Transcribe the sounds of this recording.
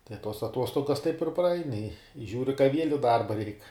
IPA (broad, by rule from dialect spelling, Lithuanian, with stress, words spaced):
tɐɪ tuɔs ɐˈtuɔstoːɡɐs tɐɪp ɪr prɐˈɐɪn ɪ ˈʒʲuːrʲɪ kɐ ʋʲiɛlʲ ɪ ˈdɐrbɐ rʲɛɪk